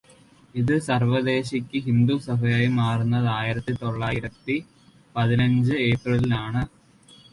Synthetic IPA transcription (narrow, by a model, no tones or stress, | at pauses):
iðɨsɐrʋɐd̪e̞ːɕɐkʲːɨɦind̪usɐbʱɐjaːjimaːrunːɐðaːjiɾɐt̪ːit̪o̞ɭːaːjiɾɐt̪ːi | pɐðinɐɲd͡ʑɨe̞ːprɐlilaːɳɨ